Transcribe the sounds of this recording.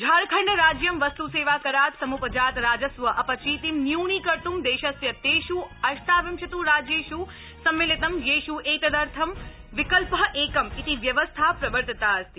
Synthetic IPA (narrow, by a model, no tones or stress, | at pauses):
d͡ʒʱaːɾkʰɐɾnəɾaːd͡ʒjɐmʋɐst̪useːʋaːkɐɾaːt̪sɐmupɐd͡ʒaːt̪ɾaːd͡ʒɐsʋɐʔɐpɐt͡ʃʰiːt̪imnjuːɳ̃ikɐɾt̪umd̪eːʃɐsjɐt̪eːʃuɐʃt̪aːʋimʃɐt̪uɾaːd͡ʒeːʃu | sɐmʋelit̪ɐmjeːʃuʔeːt̪ɐd̪ɐɾt̪ʰɐm | ʋɪkəlpəʔeːkɐmit̪iʋjɐʋəst̪ʰapɾɐʋəɾt̪ət̪aɐst̪i